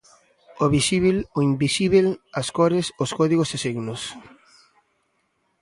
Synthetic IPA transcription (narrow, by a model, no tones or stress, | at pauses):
oβisiβiloimbisiβelaskɔɾesoskɔðiɣosesiɣnos